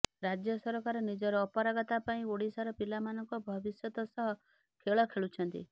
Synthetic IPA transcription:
ɾad͡ʒjɔsɔɾɔkaɾɔnid͡ʒɔɾɔːpɔɾaɡɔt̪apaĩoɽisaɾɔpilamanɔŋkɔbʱɔbisjɔt̪ɔsɔɦɔ | kʰeɭɔkʰeɭut͡ʃʰɔnt̪ḭ

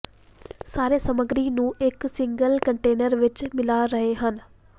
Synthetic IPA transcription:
saːɾesəməɡɾinũːɪksɪ̃ŋɡəlkəɳʈeːnəɾʋɪt͡ʃmɪlaɾɐɦeɦən

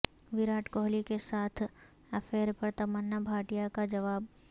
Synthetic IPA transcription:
ʋɪɾaːʈkoːɦlikesaːt̪ʰ | ɐfeːɾpɐɾt̪ɐmənːəbʱaːʈijakad͡ʒɐʋaːb

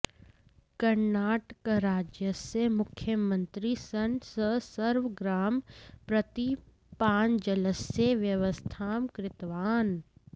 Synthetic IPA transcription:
kɐɾnaːʈəkɾaːd͡ʒjəsemʊkʰjəmə̃nt̪ɾisɐnsəsəɾʋəɡɾaːmpɾɐt̪i | paːnd͡ʒələseʋjəʋəst̪ʰaːmkɾɪt̪ʋaːn

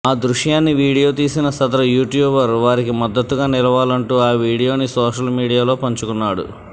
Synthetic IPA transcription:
aːd̪ɾuʂjaːnːiʋiːɽijo̞ːt̪̬iːsinɐsɐd̪ɐɾɐjuːʈjuːbɐɾʋaːɾikimɐd̪ːɐt̪ːuɡaːnilɐʋaːlɐɳʈuːaːʋiːɽijo̞ːnisɔːʂɐlmiːɽijaːlo̞ːpɐɲt͡ʃukunːaːɽṵ

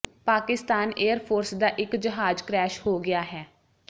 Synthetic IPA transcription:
paːkɪst̪aːneːəɾpʰoːɾsd̪aːʔɪkd͡ʒəɦaːd͡ʒkɾɛːʃhoːɡɪaːɦɛː

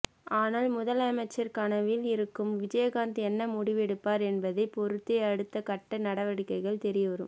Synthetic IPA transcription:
aːnaːlmʊðɐlɐmɐɪt͡ʃːɐɾkɐnɐʋɪlɪɾɯkːɯmʋɪd͡ʒɐjɐɣaːnd̪ɯɛnːɐmʊɽɪʋɛɽɯpːaːɾɛnbɐðɐɪpɔɾɯt̪ːeɐɽɯt̪ːɐkɐʈːɐnɐɽɐʋɐɽɪkːɐɪɣɐɭt̪ɛɾɪjɐʋɐɾɯ̰m

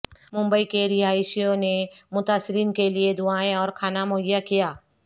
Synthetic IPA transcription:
mʊ̃mbəikeɾɪɦaːɪʃijõnemʊt̪aːsɪɾiːnkelied̪ʊaːẽɔːɾkʰaːnamʊɦəjːakijaː

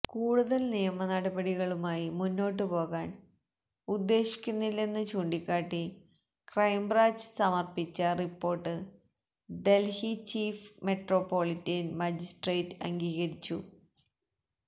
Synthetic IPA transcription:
kuːɽuðɐlnijɐmɐnɐɽɐbɐɽiɣɐɭumaːjimunːo̞ːʈ̬ːɨpo̞ːɣaːn | ud̪ːe̞ːɕi̥kʲːunːilːe̞nːɨt͡ɕuːɳɖikʲːaːʈːi | krɐjmbraːd͡ʑɨ̥sɐmɐrpit͡ɕːɐripːo̞ːrʈːɨ | ɖe̞lhit͡ɕiːfme̞ʈro̞ːpːo̞ːlitːɐnmɐd͡ʑisʈreːtːɨɐ̰ŋɡiːɣɐɾit͡ɕːu

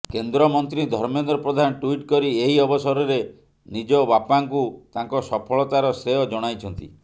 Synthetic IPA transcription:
kend̪ɾɔmɔnt̪ɾid̪ʱɔɾmend̪ɾɔpɾɔd̪ʱanɔʈwiʈkɔɾieɦiɔbɔsɔɾɔɾe | nid͡ʒɔbapaŋkut̪aŋkɔsɔpʰɔɭɔt̪aɾɔsɾeɔd͡ʒɔɽ̃ajt͡ʃʰɔnt̪ḭ

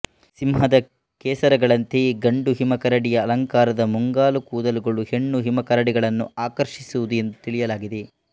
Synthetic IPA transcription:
simɦɐd̪ɐ | keːsɐɾɐɡɐɭɐnt̪eɡɐɳɖuɦimɐkɐɾɐɽijɐːlɐŋkaːɾɐd̪ɐmuŋɡaːlukuːd̪ɐluɡɐɭuhe̞ɳːuɦimɐkɐɾɐɽiɡɐɭɐnːṵaːkɐɾʃisuʋud̪ue̞nd̪ut̪iɭijɐlaːɡid̪e

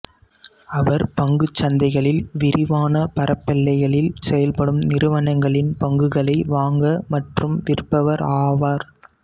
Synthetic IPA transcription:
ɐʋɐɾpɐŋɡɯt͡ʃːɐnd̪ɐɪɣɐɭɪlʋɪɾɪʋaːnɐpɐɾʔɐpːɛlːɐɪɣɐɭɪlsɛjɐlpɐɽɯmnɪɾɯʋɐnɐŋɡɐɭɪnpɐŋɡɯɣɐɭɐɪʋaːŋɡɐmɐʈrɯmʋɪrpːɐʋɐɾaːʋaːɾ

